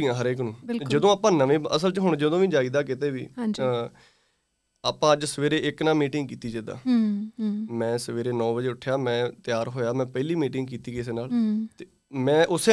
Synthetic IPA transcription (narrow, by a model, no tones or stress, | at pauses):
iːãːɦəɾeːk̬nũːbɪd͡ʒəd̪õːaːpãːnəʋẽːəsəlt͡ʃəɦʊɳd͡ʒəd̪õːʋĩːd͡ʒaːiːd̪aːkɪt̪eːʋḭ̃ːd͡ʒ | aːpãːəd͡ʒsəʋeːɾeːɪknaːmiːʈɪŋɡkiːt̪iːd͡ʒẽːd̪a̰ː | mɛ̃ːsəʋeːɾeːnɔ̃ːbəd͡ʒeːʊʈʰːjaːmɛ̃ːt̪ɪjaːɾɦoːjaːmɛ̃ːpɛɪliːmiːʈɪŋɡkiːt̪iːkɪseːnaːlt̪eː | mɛ̃ːʔʊseː